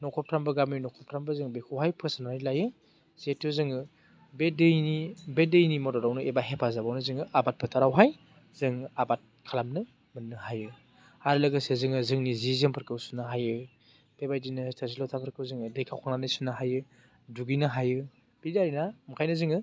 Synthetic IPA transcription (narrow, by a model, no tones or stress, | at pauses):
nɔkʰɔp̚tʰɾambɯɡamninɔkʰɔp̚tʰɾambɯzɯŋbekʰɯwɦajpʰɯsanaɾilajɯ | z̥etʰːɯzɯŋɯ | bedɯjnibedɯjnimɔdɔɾawnɯʔebaɦepʰazabawnɯzɯŋɯʔabat̚pʰɯtʰaɾawɦaj | zɯŋabat̚kʰalamnɯ | mɯnːɯhajɯ | haɾlɯɡɯsezɯŋɯzɯŋnizizɯŋpʰɯɾkɯwsunːɯɦajɯ | b̥ebajdinɯtʰas̬ilɔtʰapʰɯɾkɯwzɯŋɯdɯjkʰawkʰaŋnanɯsunːɯɦajɯ | duɡinɯɦajɯ | b̥idaɾinamkʰajnɯzɯŋɯ